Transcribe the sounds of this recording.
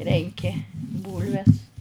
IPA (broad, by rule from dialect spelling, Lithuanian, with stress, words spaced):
ˈrʲɛŋʲkʲɪ ˈbuːlʲʋʲɛs